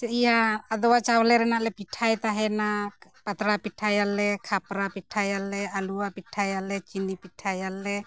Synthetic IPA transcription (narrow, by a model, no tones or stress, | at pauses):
ijaːd̪ɔwat͡ʃablɛɾɛnalɛpiʈʰajt̪aɦɛnapat̪ɾapiʈʰajalɛkʰapɾapiʈʰajalɛaluwapiʈʰajalɛt͡ʃinipiʈʰajalɛ